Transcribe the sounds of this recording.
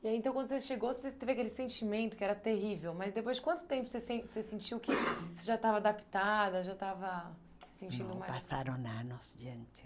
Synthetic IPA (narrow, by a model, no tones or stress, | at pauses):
iaiẽt̪ɐ̃w̃kɐ̃d̪oseʃeɡowset̪evɐkelɪsẽnt͡ʃimẽnt̪ʊkɪɛɾɐt̪eɦivewmɐzd̪epojzd͡ʒɪkwɐ̃nt̪ʊ̥t̪ẽmpʊ̥sesẽsesẽnt͡ʃiwkɪseʒat̪avɐad̪api̥t̪ad̪ɐʒat̪avɐ | sɪ̥sẽnt͡ʃĩnd̪ʊmajpasaɾɐ̃w̃nanɔsd͡ʒiɐ̃nt͡ʃɪ̥